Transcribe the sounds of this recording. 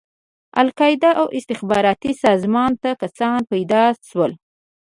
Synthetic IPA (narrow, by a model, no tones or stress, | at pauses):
a̰lkɑjɪd̪aʔawʔɪst̪ɪxbɑɾɑt̪isɑzmɑnt̪akasɑnpajd̪ɑʃwəl